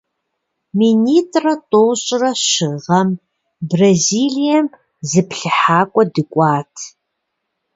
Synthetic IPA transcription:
miniːtʼrɐtʼoːɕʼrɐɕɨʁɐm | brɐziːɮijɛm | zɨpɬɨħaːkʷʼɔdɨkʷʼɑːtʰ

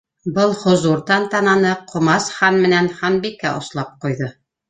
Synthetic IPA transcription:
bɤlˠhŏzuɾt̪ɑnt̪ɑnɑnɤqʰŏmɑsχɑnmɘ̆nænχɑnbikːæʔŏ̰slˠɑp̚qujðɤ

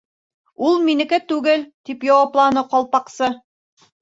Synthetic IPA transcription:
ulˠminɘ̆kɘt̪ʉɡɘlt̪ipjɒwɑplˠɑnɤqɒlˠpɑqsɤ

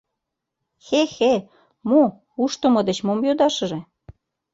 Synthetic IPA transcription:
xexe | mo | uʃt̪ə̆mɤ̆d̪et͡ɕmomjod̪ɑʃɤ̆ʒĕ

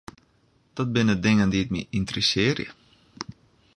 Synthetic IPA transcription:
d̥ɔt̚bɪnədɪŋəndiət̚mḭʔɪntərəsɪːərjə̰

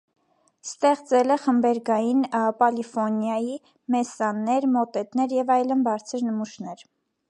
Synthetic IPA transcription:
st̪ɛχt͡sɛlɛχəmbɛɾɡɑjinpɑlifɔnjɑji | mɛsɑnːɛɾmɔt̪ɛt̪nɛɾjɛvɑjlənbɑɾt͡sʰəɾnəmuʃnɛɾ

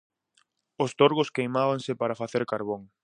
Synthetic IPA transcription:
ʊst̪oɾɣʊskejmaβaŋsɪpaɾɐfaθeɾkaɾβoŋ

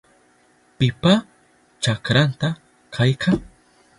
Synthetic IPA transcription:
pɪpa | t͡ʃakɾant̪a | kʰajkʰaŋ

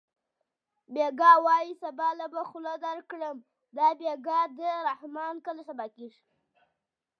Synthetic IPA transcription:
beɡɑwɑjisabɑlabaxʊlad̪aɾkɽəm | d̪ɑbeɡɑd̪əɾahmɑnkəlasabɑkiʂ

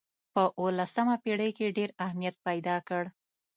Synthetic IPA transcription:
pəʔolasamapeɽəjkeɖeɾahmijat̪̚pajd̪ɑkəɽ

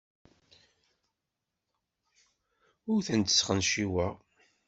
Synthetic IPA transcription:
ʊɾθənt̪ə̥sχənʃiwæ

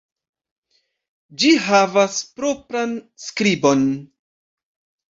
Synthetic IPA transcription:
d͡ʒiɦavaspɾo̞pɾanskɾibo̞n

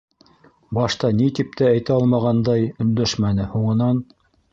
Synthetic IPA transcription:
bɑʃt̪ɑnit̪ip̚t̪ææjt̪æɑlˠmɑʁɑnd̪ɑjɵ̆nd̪æʃmænɘhuɴɤ̆nɑn

